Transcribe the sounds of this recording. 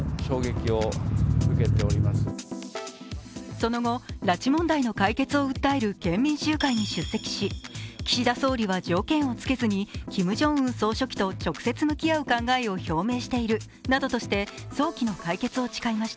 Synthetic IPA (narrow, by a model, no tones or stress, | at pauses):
ɕo̞ːɡe̞kʲiomɯ̟ke̞t̪e̞o̞ɾʲimasɨ | so̞no̞ɡo̞ɾat͡ɕimõ̞nd̪aino̞kaike̞t͡sɨo̞ɯ̟t̪ːaeɾɯ̟kẽ̞mːʲĩɰ̃ɕɨːkaiɲ̟iɕɨsːe̞kʲi̥ɕikʲi̥ɕid̪aso̞ːɾʲiβad͡ʑo̞ːkẽ̞ɰ̃o̞t͡sɨ̥ke̞zɨɲ̟ikʲimɯ̟ʑõ̞ɰ̃ɯ̟̃ɰso̞ːɕo̞kʲi̥t̪o̞t͡ɕo̞kɯ̟̥se̞t͡sɨmɯ̟kʲiaɯ̟kãŋɡaeo̞ço̞ːme̞ːɕi̥t̪e̞iɾɯ̟ | nad̪o̞t̪o̞ɕi̥t̪e̞so̞ːkʲino̞kaike̞t͡sɨo̞t͡ɕi̥kaimaɕi̥t̪a